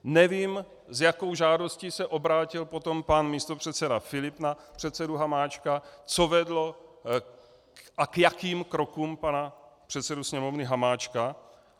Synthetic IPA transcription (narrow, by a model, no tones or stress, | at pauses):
nɛviːm | zjako̞wʒaːdo̞sciːsɛʔo̞bɾaːcɪlpo̞t̪o̞mpanmiːst̪o̞pr̝̥ɛt̪t͡sɛdafɪlɪpna | pr̝̥ɛt̪sɛduɦamaːt͡ʃkat͡so̞vɛdlo̞ | ʔakjakiːmkɾo̞kuːmpanapr̥ɛt̪sɛdusɲɛmo̞vnɪɦamaːt͡ʃka